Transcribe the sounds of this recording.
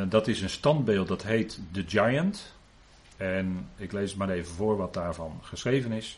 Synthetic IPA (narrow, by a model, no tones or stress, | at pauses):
dɑtɪsənstɑndbeːlˠt̚dɑtɦejtdəd͡ʒajənt | ɛnɪklejsətmaːɾejvənvʊːɹʋɑt̚daːɹvɑnχəsrejvənɪs